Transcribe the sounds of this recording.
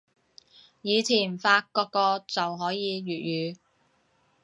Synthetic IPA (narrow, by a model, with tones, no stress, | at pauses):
jiː˨˧t͡sʰiː˨˩nfaː˧kɔː˧kːɔː˧t͡sɐ˨wɦɔː˨˥jiː˨˧ɥyː˨t̚jyː˨˧